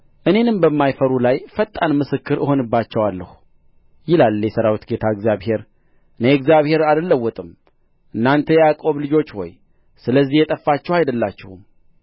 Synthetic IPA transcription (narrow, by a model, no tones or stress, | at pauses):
ʔɨne̞nɨmbəmːajfəɾulajfət̪ʼːanmɨsɨkːɨɾʔɨho̞nɨbːat͡ʃːɛwalːə̰hu | jɪlalːjɛsəɾawit̪ɡe̞t̪ʰaɨɡzjaβhe̞ɾ | ɨneɛɡzjaβhe̞ɾaləlːəwːɔt̪ʼɨm | ʔɨnːant̪ʰəjɛakʼo̞βlɨd͡ʒo̞t͡ʃːho̞̰j | sɨləzːihjɛt̪ʼəfːat͡ʃːɛwhajd̪əlːat͡ʃːɪhum